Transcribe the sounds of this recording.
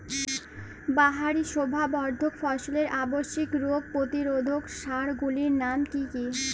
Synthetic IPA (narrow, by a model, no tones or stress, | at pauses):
baɦaɾiʃobʱabɔɾd̪ʱokfɔʃoleɾʔaboʃːikɾoɡ̚pɾot̪iɾod̪ʱokʃaɾɡuliɾnamkiki